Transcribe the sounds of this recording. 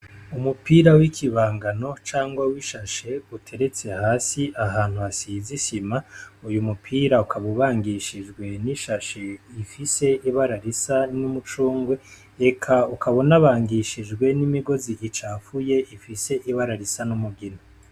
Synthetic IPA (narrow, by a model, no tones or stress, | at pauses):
umupiːɾawikʰiβaːŋɡano̞t͡ʃaːŋɡwawiʃaʃe̞utʰe̞ɾe̞t͡se̞haːsiʔaɦaːn̥huhasiziʃimaujumupʰiːɾaukʰaβuβaːŋɡiʃid͡ʒɡwe̞niʃaʃeifise̞iβaɾaɾisanumut͡ʃuːŋɡwe̞ | ekʰaukʰaβo̞naβaːŋɡiʃid͡ʒɡwe̞nimiɡo̞ziʔːt͡ʃaːfuje̞ifise̞ʔiβaɾaɾisanumuɡina